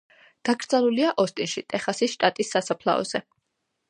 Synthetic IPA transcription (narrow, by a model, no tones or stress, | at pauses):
ɡ̪̥aɡɾd̪zalˠuliaʔɔst̪ʼinʃit̪ʼɛχasisʃt̪ʼat̪ʼisːasapʰlˠa̰ɔ̰z̥ɛ